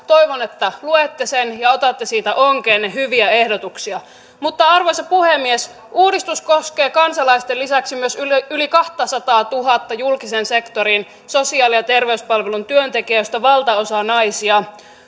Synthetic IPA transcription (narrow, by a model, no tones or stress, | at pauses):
t̪o̞jʋonet̪ːæluet̪ːesenjɑot̪ɑt̪ːesiːt̪æʔoŋkeːnːehyʋiæe̞hdot̪uksiɑ | mut̪ːɑɑrʋosɑpuhemːies | ʔuːdist̪uskoske̞ːkɑnsɑlɑist̪elːisæksimyøsylikɑht̪ɑsɑt̪ɑːt̪uɦɑt̪ːɑjulkisense̞kt̪oɾin | so̞siɑːlijɑt̪e̞rʋeyspɑlʋelunt̪yønt̪ekiæjost̪ɑʋɑlt̪ɑosɑnɑisiɑ